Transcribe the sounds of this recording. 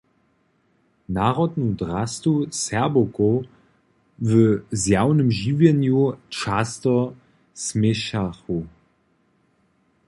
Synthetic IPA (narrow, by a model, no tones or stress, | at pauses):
naʁɔtnudʁastusɛɐboko | vəzjaʊnəmʒiːvjənjuːt͡ʃastə | smɪʃaχu